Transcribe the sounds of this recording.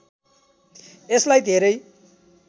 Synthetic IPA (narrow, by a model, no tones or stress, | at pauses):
eslajd̪ʱeɾʌj